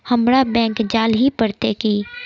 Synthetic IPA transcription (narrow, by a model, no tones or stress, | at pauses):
həmɾabɛ̃ːŋkd͡ʒaːlɦipəɽt̪ekiː